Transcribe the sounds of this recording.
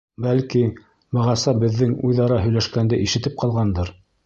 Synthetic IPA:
bælki | bɤ̆ʁɑsɑbɘ̆ðːɘŋujðɑɾɑɦɵ̆jlæʃkænd̪ɘʔiʃɘ̆t̪ɘp̚qʰɑlˠʁɑnd̪ɤɾ

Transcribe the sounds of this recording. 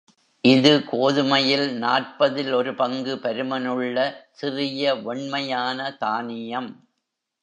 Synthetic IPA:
ʔɪðɯkoːðɯmɐjɪlnaːrpɐðɪlɔɾɯpɐŋɡɯpɐɾɯmɐnɯɭːɐsɪrɪjɐɔɳmɐjaːnɐt̪aːnɪjɐm

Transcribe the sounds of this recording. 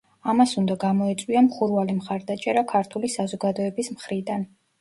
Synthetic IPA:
amasund̪aɡamɔɛt̪sʼwiamχuɾvalimχaɾd̪at͡ʃʼɛɾakʰaɾt̪ʰulisazɔɡad̪ɔɛbismχɾid̪an

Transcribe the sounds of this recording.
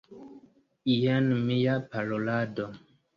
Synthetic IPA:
ijanmijapaɾolado

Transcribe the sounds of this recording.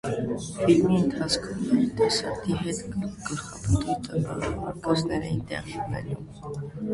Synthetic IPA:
bilmiənt̪ʰɑt͡skʰumɛt̪ʰɛsɑɾt̪ʰiɦɛt̪ɡəlχɑpʰət̪ujt̪ənbɑ̰ɑɾkɑsnɛɾɛ̰jint̪ɛ̰ʁinɛ̰num

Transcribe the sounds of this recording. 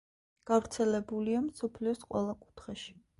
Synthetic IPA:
ɡ̥avɾt̪sʰɛlɛbuliamsɔpʰliɔsqʼwɛ̰lˠakʼu̥t̪ʰχɛʃi̥

